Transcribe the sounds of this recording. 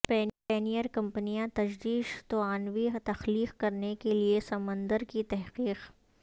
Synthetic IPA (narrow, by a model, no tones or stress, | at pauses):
pɛːpɛːnijəɾkɐ̃mpnijãt̪ɐd͡ʒd̪iːʃt̪oaːnʋit̪ɐxliːqkɐɾnekeliesɐmə̃nd̪əɾkit̪ɛɦqiːq